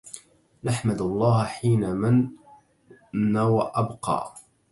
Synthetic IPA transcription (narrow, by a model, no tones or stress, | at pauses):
naħmad̪ɑlˤːɑːhħiːnamɪn | awaʔabqɑ̰ː